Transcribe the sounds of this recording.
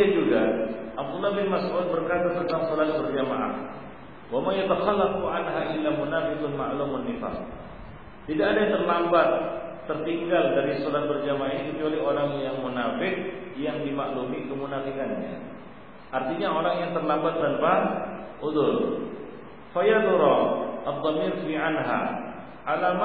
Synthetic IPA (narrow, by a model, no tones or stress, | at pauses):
ad͡ʒuɡaʔab̚d̪ulːabɪnmasʕut̪̚bərkat̪at̪ənt̪aŋsolat̪̚bərd͡ʒama̰ʔa̰h | wamajat̪axalak̚uʔanɦaʔilamunafɪkʊnmaʔlumʊnːifa̰t̚ | t̪idaʔːdat̪ərlambat̪ː | ərt̪iŋɡaldaɾisolat̪̚bərd͡ʒamaanikət͡ʃualioɾaŋjaŋmunafɪk̚jaŋdimaʔlumikəmunafikanɲa̰ | ʔart̪iɲaoɾaŋjaŋt̪ərlambat̪ːanpaʔuðʊl̰ | fajad̪uɾɔʔad̪ˤːɑmiɾfiʕanɦa̰ | ʔalam